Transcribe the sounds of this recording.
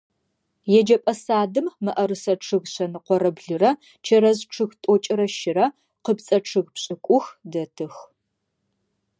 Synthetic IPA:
jɛd͡ʒɐpʼɐsaːdɨmːɨʔɐrɨsɐʈ͡ʂʰɨɣɕɐnɨqʷɔɾɐbɮɨrɐ | t͡ʃʰɐɾɐzʈ͡ʂʰɨɣtʼɔt͡ʃʼɪɾɐʃɪɾɐ | qəpt͡sʼɐʈ͡ʂʰɨɣpɕʼɪkʷʼʊxdɐtʰɨx

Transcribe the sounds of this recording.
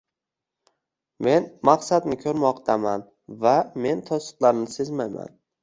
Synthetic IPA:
me̞nmaqsad̪nɪkʲʰɵɾmɒqt̪ʰaman | vame̞nt̪ʰɒsɨ̥qlˠaɾnɪsezmajma̰n

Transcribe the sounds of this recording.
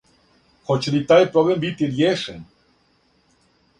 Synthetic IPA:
xot͡ʃɾit̪aepɾoβembit̪iɾjeʃḛn

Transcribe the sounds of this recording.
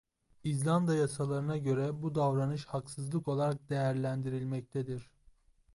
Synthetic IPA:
izlʲˠand̪ajasalˠaɾɯnaɟø̞ɾɛbud̪avɾanɯʃhaksɯzlˠɯko̞lˠaɾak̚d̪e̞jæɾlʲænd̪iɾilʲmɛc̚t̪ʰɛd̪iɾ̥

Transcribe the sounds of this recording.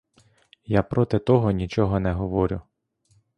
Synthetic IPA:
japɾɔt̪ɪt̪ɔɦɔnʲit͡ʃɔɦɔnɛɦɔʋɔɾʲʊ

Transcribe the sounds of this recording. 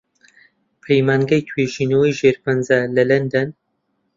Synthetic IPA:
pʰejmaːŋɡɐjt̪ʰweʒinəwɐjʒeːɾpɐnzalɐlɐnd̪ɐn

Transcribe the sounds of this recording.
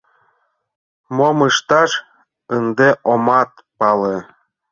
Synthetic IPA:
momɯʃt̪ɑʃ | ənd̪eʔomɑt̪̚ | pɑle

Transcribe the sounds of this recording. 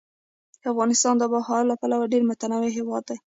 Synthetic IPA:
d̪̥əafɣɑnɪst̪ɑnd̪əbahɑɾlapalawaɖeɾmʊt̪anɑweɦewɑd̪ːaj

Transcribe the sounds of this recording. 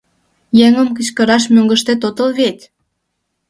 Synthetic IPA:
jeŋəmk̬ət͡ɕkəɾɑʃ̬møŋɡəʃt̪et̪ot̪əlβet̪ʲ

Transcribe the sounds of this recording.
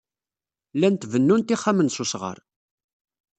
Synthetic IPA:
lænt̪vənːunt̪iχːæmənsusʁə̰ɾˤ

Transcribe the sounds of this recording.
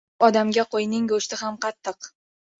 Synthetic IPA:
ɒd̪amɡʲaqʰojnɪŋɡoʃt̪ɪɦamqɑt̪ʰːɨq

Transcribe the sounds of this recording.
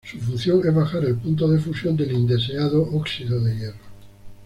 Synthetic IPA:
sufun̟θjo̞ŋezβaxaɾe̞lpunt̪oð̞efusjo̞nd̪e̞lind̪e̞s̬eaðoʔoksiðoðejero

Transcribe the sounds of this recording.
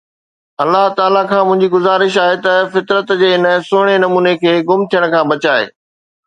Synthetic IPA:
ɐlːaɦt̪aːlakʰãːmʊ̃ɦɪ̃ɲd͡ʑiɡʊzaːɾɪʃaːɦet̪ɐfɪt̪ɾət̪d͡ʑeːɪnə̆sʊːɽ̃enɐmuːnekʰeːɡʊmt̪ʰijəɽ̃kʰãːbɐt͡ɕaːɦḛː

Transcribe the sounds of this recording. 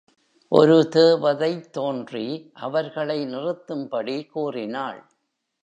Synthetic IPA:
ʔɔ̰ɾɯt̪eːʋɐðɐɪt̪ːoːndriʔɐʋɐɾɣɐɭɐɪnɪrɯt̪ːɯmpɐɽikuːrɪnaːɭ

